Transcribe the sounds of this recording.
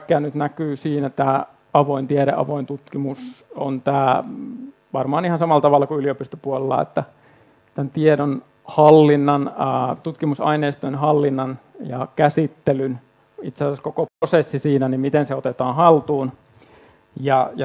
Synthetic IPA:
kːˑæːnyt̪nækyːsiːnæt̪æː | ɑʋoint̪ieɾḛʔɑ̰ʋoint̪ut̪kimuso̰nt̪æː | ʋɑrmɑːnihɑnsɑmɑlɑt̪ɑʋɑlːˑɑkuyliopist̪opuolelːɑ̰ḛt̪ːæ | t̪ænt̪iedon | hɑlːinːɑnt̪ut̪kimusɑ̰ineːst̪oinhɑlːinːɑnjɑ̰kæsit̪ːelyn | it̪sesæskokoprosesːisiːnænimmit̪enseot̪et̪ɑːnhɑlt̪uːn | jɑjɑ

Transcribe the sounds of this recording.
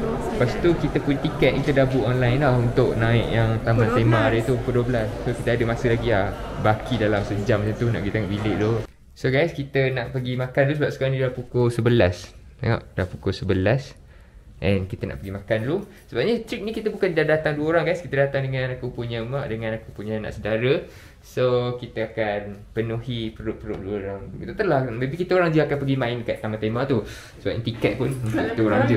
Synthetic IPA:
pastt̪ukit̪əpuɲat̪ikɛt̪̚kit̪ədabuʔɔnlajnlahunt̪ʊʔnãɪʔjaŋt̪amãnt̪emãɾət̪upukoduəbəlasːokit̪əadəmasəlaɡilahbakidalamsəd͡ʒaŋmət͡ʃamt̪una̰ʔkit̪eŋaʔbilɪʔlo | soɡajskit̪ənaʔpəɡimãkanlusəbap̚sə̥kaɾaŋnidahpukosəbəlast̪ḛŋa̰ʔdahpukosəbəlas | ʔɛnkit̪əna̰ʔpəɡimãkanlu | səbap̚ɲət̪ɾik̚nikit̪əbukandadat̪aŋduəoɾaŋɡajskit̪ədat̪aŋdəŋãnakupuɲəmaʔdəŋãnakupuɲəna̰ʔsədaɾə | sokit̪əakanpənuɦipəɾʊʔ̚pəʊʔ̚duəoɾaŋt̪ət̪əlahləbikit̪əoɾaŋd͡ʒəakanpəɡimãɪnkaʔt̪amãt̪emaʔt̪u | səbapʔt̪ikɛt̪̚pʊnʔit̪uoɾaŋd͡ʒə

